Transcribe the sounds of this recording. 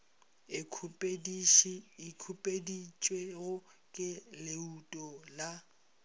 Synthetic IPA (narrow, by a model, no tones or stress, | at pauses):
pʼ | ikʰupʼedit͡ʃʼweɣʊ | kʼɪlɪutʼɔla